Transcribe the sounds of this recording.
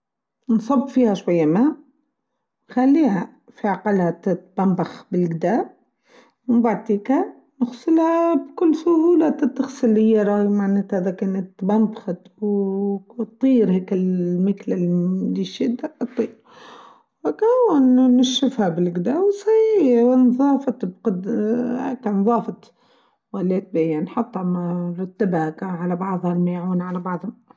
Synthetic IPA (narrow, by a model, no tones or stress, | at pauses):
nsˤɑbːfiːhaʃwajːamaː | xalːiːha | fiʕaqɑlhat̪t̪b̥ambaxbɪlɡɪd̪aːb̚ | mɪmbaʕt̪iːka | nɪxsˤɨlhabkʊlːsʊhuːlat̪ɪt̪ːɪxsˤɪlːɪjːaɾˤɑjmaʕneːt̪hɪðakaːnɪt̪bambxat̪w | t̪ˤːiːɾheːkɪlmɪklɪlliʃɪd̪ːat̪ˤːiːɾ | wakawːanːɪʃːɪfhabɪlɡd̪aːwsahiːwnðˤɑːfɑt̪bqɑd̪heknðˤɑːfɑt̪ | walːeːt̪̚bejanħɑt̪ˤːɑmɾˤʊt̪ːabhakaʕalabɑʕðˤhalmaːʕuːnʕalabɑʕðˤhʊm